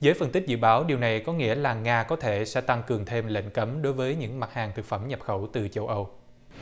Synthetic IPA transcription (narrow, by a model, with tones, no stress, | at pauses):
zəː˨˦jfə˧nt̪ï˦˥k̟̚zɨ̰˧˨ɓaː˨˦wɗi˨˩əwna˨˩jkɔ˨˦ŋḭ˧˥əlaː˨˩ŋaː˧kɔ˨˦t̪ʰe˧˩sɛ̰˧˥t̪a˧ŋkɨ˨˩əŋt̪ʰe˧mlḛ˧˥ŋ̟kə˨˦mɗo˨˦jvəː˨˦jɲɨ̰˧˥ŋma˨˩t̚haː˨˩ŋt̪ʰɨ˨˩k̚fə˧˩mɲə˨˩p̚xə˧˩wt̪ɨ˨˩t͡ɕə˧wʔə˧w